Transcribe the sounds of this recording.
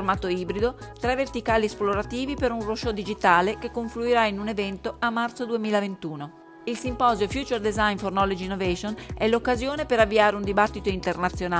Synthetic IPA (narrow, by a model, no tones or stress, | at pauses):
rmaːt̪oiːbɾid̪ot̪ɾɛvːert̪ikaːliɛsploɾat̪iːvipeɾunroʃod̪id͡ʒit̪aːlekekːoɱfluiɾainunevɛnt̪oamːart̪sod̪uemiːlavent̪uːno | ilsimpɔːzjofjuːt͡ʃerd̪ezajnfornɔlod͡ʒinːovɛʃonɛlokːazjoːnepeɾavːiaːɾeund̪ibat̪ːit̪oint̪ernat̪sːjona